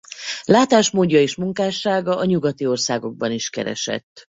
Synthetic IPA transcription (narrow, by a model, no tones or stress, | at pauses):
laːt̪aːʃmoːɟːɒeːʃmuŋkaːʃaːɡɒʔɒɲuɡɒt̪io̞rsaːɡo̞ɡ̚bɒniʃkɛ̰ɾɛ̰ʃɛ̰t̪ː